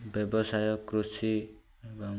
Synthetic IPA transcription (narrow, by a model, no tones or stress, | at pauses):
bjʌbɔsajɔkːrusi | ebɔŋ